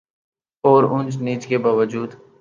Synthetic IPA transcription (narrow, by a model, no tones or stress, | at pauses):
ɔːɾʊ̃nd͡ʒniːt͡ʃkebaːʋəd͡ʒuːd̪